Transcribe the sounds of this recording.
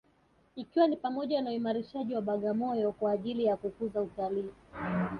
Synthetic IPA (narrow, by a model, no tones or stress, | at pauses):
ikiwanipamɔʄanauimaɾiʃaʄiwaɓaɠamɔjɔkwaːʄilijakukuzautaliː